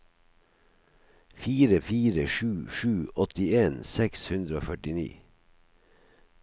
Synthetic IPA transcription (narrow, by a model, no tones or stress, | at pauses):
fiːɾəfiːɾəʃʉːʃʉːʔɔt̪ɪeːnsɛkshʉnd̪ɾəoːfœʈɪnḭː